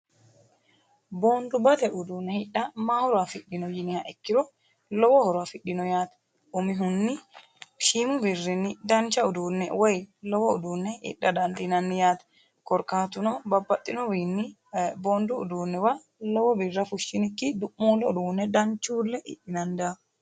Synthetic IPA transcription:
boːnd̪ʊbɐt̪ɛʔʊd̪uːnːɛhɪᶑːɐmaːhɔɾafɪɗɪnɔjɪnɪhɐʔɛkːɪɾɔ | lɔwɔhɔɾafɪɗːɪnɔjaːt̪ɐ | ʊmɪɦʊnːɪ | ʃimʊbɪrːɪnːɪd̪ɐnt͡ʃːɐʊd̪uːnːɛwɔjlɔwɔʊ̰d̪uːnːɛɪ̰ɗːɐd̪ɐnt̪ɪnɐnːɪjaːt̪ɐ̥ | kɔɾkaːt̪ʊnɔbɐbːɐt̪ʼːɪnɔwiːnːɪ | boːnd̪ʊʊ̰d̪uːnːɛwɐ | lɔwɔbɪrːɐfʊʃːɪnɪkːɪd̪ʊʔːuːlːɛʊd̪uːnːɛd̪ɐnt͡ʃːuːlːɛʔɪ̰ɗːɪnɐnd̪a

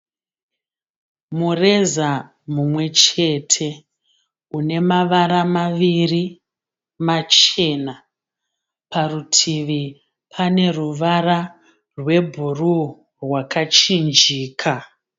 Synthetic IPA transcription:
mure̞za | mumwe̞t͡ʃe̞tʰe̞ | une̞maʋaɾamaʋiri | mat͡ʃe̞na | parutʰiʋi | pʰane̞ruʋara | rwe̞bʱuru | rwakat͡ʃind͡ʒiːkʰa

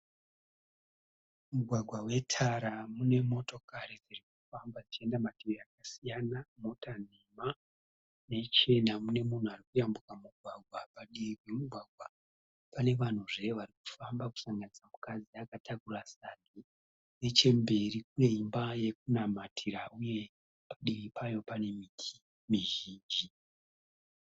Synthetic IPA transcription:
muɡʱwaɡʱwawe̞tʰaɾamune̞mo̞to̞kaɾid͡zirik̚u̥fambad͡zit͡ʃie̞ndamatirejakasijanamo̞tan̤ema | ne̞t͡ʃe̞namune̞mun̤uarikujambukamuɡʱwaɡʱwapaɗiikwe̞muɡʱwaɡʱwa | pane̞ʋan̤uʐe̞ʋariku̥fambaku̥saŋɡanisamukad͡ziakatʰakurasani | ne̞t͡ʃe̞mbe̞rikune̞imbaje̞k̚unamatʰiɾauje̞ | paɗiripʰajo̞pane̞mitʰi̥ | miʒiːnd͡ʒi

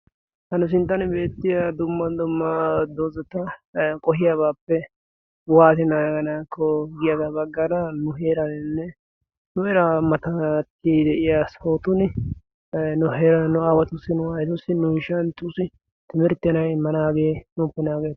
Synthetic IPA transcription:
hɐnʊs̬ɪnt̪ːɐnbe̞ːt̪ːɪjad̪ʊmːɐd̪ʊmːɐd̪oːzɐt̪ɐkʼɔhɪjabaːpːɛ | waːt̪ɪnaːɡɐnaːkʰːɔɡɪjɐd̪ɐbɐɡːɐɾɐnʊɦe̞ːɾɐnɪnːɛ | nʊɛɾamɐt̪ɐt̪ːid̪ɛʔɪjasoːt̪ʊnɪ | nʊɦeːɾɐnnʊaːwɐt̪ʊsːɪnʊɐjt̪ʊsːɪnʊjɪʃɐnt̪ʼːʊsɪ | t̪ɪmɪɾt̪ːɛnɐjɪmːɐnaːɡeːnʊpːɛnaːɡeː

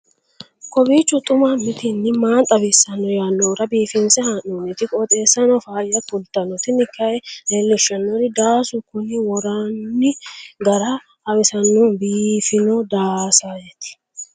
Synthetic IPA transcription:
kɔbiːt͡ʃːɔt̪ʼʊmamɪt̪ɪnːɪmaːnt̪ʼɐbɪsːɐnːɔjaːnːɔːɾɐbiːfɪnsɛhɐʔuːnɪt̪ɪkʼɔt̪ʼeːsːɐnɔfaːjɐtʊlt̪ːɐnɔt̪ɪnɪkːɐɛleːlːɛʃːɐnːɔɾɪd̪aːsʊkʊnɪwɔɾanːɪɡɐɾɐ | ɐbɛsɐnːɔnbiːfɪnɔd̪aːsajɛt̪ɪ̥

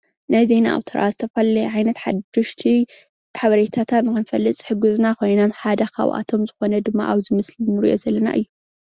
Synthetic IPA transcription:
najzena̰ʔa̰wt̪ʰɐɾʔa̰zɨt̪ʰɐfɐlɐjʕajnɐt̪ħad̪ɨʃt̪ʰi | ħaβɐɾet̪ʰat̪ʰat̪nɨkɨnfɐlːɨt͡sʼħɨɡuznaxojninamħad̪ɐxa̰wʔa̰t̪ʰo̞mzɨxo̞nɐd̪ɨmːa̰ʔaβzɨmɨslinːɨɾḭʔo̞̰zɐlːɐna̰ʔɨjːu

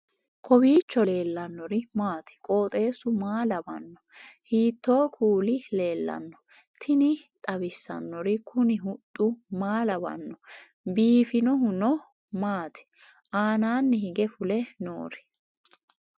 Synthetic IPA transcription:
kʰʼɔbiːt͡ʃːɔle̞ːlːɐnːɔɾɪmaːt̪ɪ̥kʼo̞ːt̪ʼe̞ːsʊmaːlɐbɐ̰nːɔhiːt̪ːo̞ːkʰuːlɪle̞ːlːɐ̰nːɔ̥ | t̪ʰɪnɪt̪ʼɐbɪsːɐ̰nːɔɾɪkʰʊnɪɦʊt̪ʼːʊmaːlɐbɐ̰nːɔ | biːfɪnɔɦʊnɔ | maːt̪ʰɪ̥ | ʔaːnaːnːɪhɪɡɛfʊlɛno̰ːɾɛ̥

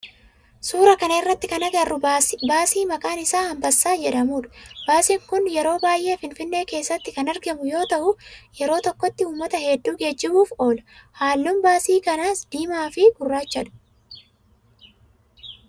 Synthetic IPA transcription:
suːɾɐkɐnɐɪrːɐt̪ːɪkɐnɐɡɐrːʊbaːsiːmɐkʼaːnɪsaːhɐmbɐsːaːd͡ʒɛᶑɐmuːᶑʊ̥b̥aːsiːŋkʊnjɛɾo̞ːbaːjʔe̞ːfɪnfɪnːe̞ːke̞ːsːɐt̪ːɪkɐnɐɾɡɐmʊjo̞ːt̪ɐʔʊjɛɾo̞ːt̪ɔkːɔt̪ːɪuːmːɐt̪ɐhɛd̪ːuːɡe̞ːd͡ʒːɪbuːfo̞ːlɐ̥haːlːuːmbaːsiːkɐnaːsd̪̥iːmaːfɪɡ̥ʊrːaːt͡ʃːɐᶑʊ̥

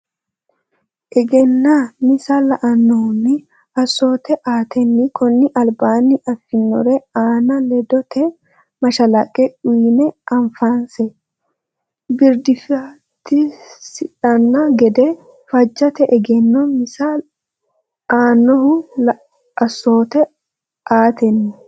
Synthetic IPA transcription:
ʔɛɡɛnːamɪsɐlɐʔɐnːɔhʊnːɪ | ɐsːo̞ːt̪ɛʔaːt̪ʰɛnːɪkɔnːɪʔɐlbaːnːɪʔɐfːɪnːɔ̰ɾɛaːnɐlɛd̪ɔt̪ʰɛ | mɐʃɐlɐkʼːɛʔʊjnɛʔɐɱfansɛ | bɪɾd̪ɪfɪa | t̪ːɪsɪᶑɐnːaɡɛd̪ɛ | fɐd͡ʒːɐt̪ɛʔɛɡɛnːɔmɪsa | aːnːɔhʊl | ɐsːoːt̪ɛ | ʔaːt̪ɛnːɪ

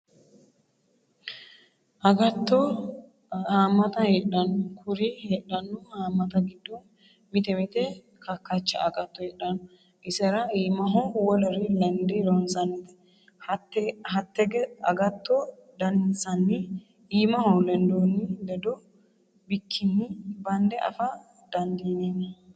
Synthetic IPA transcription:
ʔɐɡɐt̪ːɔ | haːmːɐt̪ɐheːᶑɐnːʊkʰʊɾiheːᶑɐnːʊhaːmːɐt̪ɐɡɪd̪ːɔ | mɪt̪ɛmɪt̪ɛ | kʰɐkːɐt͡ʃːɐ̰ʔɐɡɐt̪ːɔhɛːɗɐnɔ | ʔɪsɛɾɐiːmɐɦɔwɔlɛɾɪlɛnd̪ɛɾɔnsɐnːɪt̪ɛ̥ | hɐt̪ːɛhɐt̪ːɛɡɛɐɡɐt̪ʰːɔ | d̪ɐnsɐnːɪ | iːmɐhɔlɛnd̪onːɪd̪ɛd̪ɔ | bɪkʰːɪnːɪbɐnd̪ɛʔɐ̰fɐ | d̪ɐnd̪iːneːnɐ

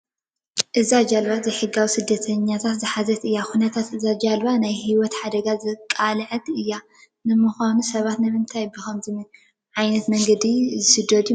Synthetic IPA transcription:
ʔɨzad͡ʒalβazɐjħɨɡawisɨd̪ːɐt̪ʰɐɲːat̪ʰat̪zɨħazɐt̪ɨjːakunɐt̪ʰat̪ɨzad͡ʒalβanajhiwɔt̪ħad̪ɐɡazɨkʼalʕɐt̪ɨjːa | nɨmɨxʷanusɐβat̪nɐmɨnt̪ʰajbɨxɐmzɨmɨn | ʕajnɐt̪mɐŋɡɐd̪izɨsɨd̪od̪u

